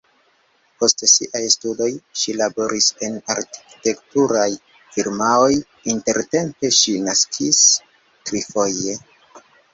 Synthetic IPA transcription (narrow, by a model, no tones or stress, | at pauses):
po̞stsḭʔajstudo̞jʃilabo̞ɾʔise̞naɾki̥te̞ktuɾaj | fiɾmao̞j | inte̞ɾte̞mpe̞ʃinaskʰis | tɾifo̞je̞